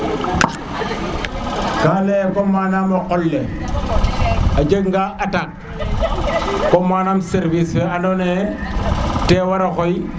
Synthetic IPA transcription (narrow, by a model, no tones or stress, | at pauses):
kalekomanamokɔlːe | ad͡ʒəkŋɡaʔatak̚ | komaːnamseɾvisfeanone | tewaɾakoj